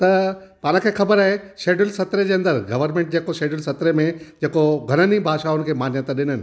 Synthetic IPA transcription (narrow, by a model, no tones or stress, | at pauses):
t̪ɐpaːɽ̃ə̃kʰeːxɐbəɾaːɦeʃeːɖʊlsɐt̪ɾed͡ʑeːɐ̃nd̪əɾɡɐʋəɾmẽːɳʈ̚d͡ʑeːkoʃeːɖʊlsɐt̪ɾemẽd͡ʑeːkoɡʱɐɾ̃ənibʱaːʃaʊnɪ̆kʰeːmãːnjət̪aɗɪn̤ənɪ̆